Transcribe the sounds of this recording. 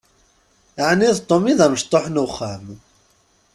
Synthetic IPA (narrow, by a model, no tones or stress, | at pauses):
ʕniðt̪ˤːomiðæməʃt̪ˤːoħnuχːam